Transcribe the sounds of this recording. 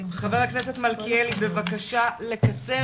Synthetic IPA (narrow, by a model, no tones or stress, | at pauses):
χaveʁakneset̪malkielibe̞vakaʃale̞kat͡se